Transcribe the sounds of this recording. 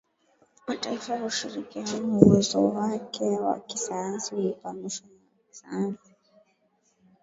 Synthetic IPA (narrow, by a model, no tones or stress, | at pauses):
wataifahuʃiɾikianuwɛzɔ̰wakʰɛwa̰kisajjansiipamiʃanaksanai